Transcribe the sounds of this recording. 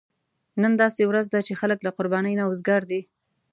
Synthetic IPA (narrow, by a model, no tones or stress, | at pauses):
nənd̪ɑsewɾazd̪at͡ʃexaləklaqʊɾbɑnəjnaʊzɡɑɾd̪i